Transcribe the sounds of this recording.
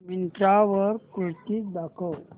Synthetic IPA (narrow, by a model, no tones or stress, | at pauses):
mint̪ɾaʋəɾkuɭt̪id̪akʰəw